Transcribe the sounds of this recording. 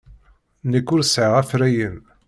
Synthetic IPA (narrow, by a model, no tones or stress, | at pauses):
nəkːʊɾsʕəʁæfɾæjəm